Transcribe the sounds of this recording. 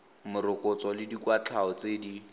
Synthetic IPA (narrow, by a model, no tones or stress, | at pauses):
mʊɾʊkʼʊt͡sɔlɪdikwat͡ɬʰaɔt͡sedi